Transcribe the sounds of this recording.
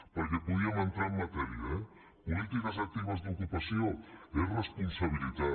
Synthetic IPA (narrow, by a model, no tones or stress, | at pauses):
pajɾepoðiamant̪eamːat̪eɾia | polit̪ikas̬ak̚t̪iβazd̪uokupasio̞eresponsaβ̞ilit̪a